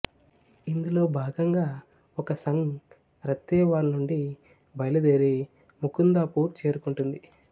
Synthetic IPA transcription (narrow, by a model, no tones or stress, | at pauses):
ind̪ulo̞ːbʱaːɡɐŋɡaː | ɔkɐsɐŋ | ɾɐt̪ːɛːʋaːɾnuɳɖi | bɐjlɐd̪eːɾi | mukund̪aːpuːɾt͡ʃe̞ːɾukuɳʈund̪i